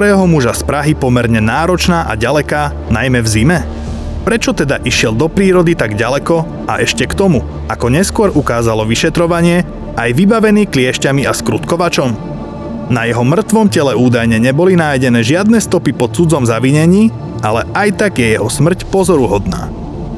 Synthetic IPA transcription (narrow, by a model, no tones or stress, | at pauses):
ɾɛːɦɔmuʒaspɾaɦipɔmɛɾɲɛnaːɾɔt͡ʃnaːʔa̰ɟalɛkaː | najmɛvzimɛ | pɾɛt͡ʃɔt̪ɛd̪aʔiʃɪɛld̪ɔpɾiːɾɔd̪it̪aɡɟalɛkɔ | aʔɛʃcɛkt̪ɔmu | akɔɲɛskʊɔɾʔukaːzalɔʋiʃɛt̪ɾɔʋaɲɪɛ | ʔajʋibaʋɛniːklɪɛʃcamiaskɾut̪kɔʋat͡ʃɔm | najɛɦɔmr̩t̪ʋɔmcɛlɛuːd̪ajɲɛɲɛbɔlinajɟɛnɛːʒɪad̪̚nɛst̪ɔpipɔt̪̚t͡sud͡zɔmzaʋiɲɛɲiː | alɛajt̪aɡjɛjɛɦɔsmr̩cpɔzɔɾuɦɔd̪na̰ː